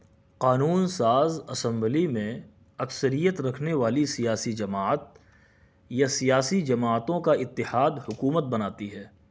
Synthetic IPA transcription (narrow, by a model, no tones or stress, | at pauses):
qaːnuːnsaːzɐsɛ̃mblimẽ | ɐksəɾijət̪ɾɐkʰneʋaːlisijaːsid͡ʒɐmaːət̪̚ | jasijaːsid͡ʒɐmaːət̪õkaɪt̪ːɪhaːd̪hʊkuːmət̪̚bɐnaːt̪iɦɛː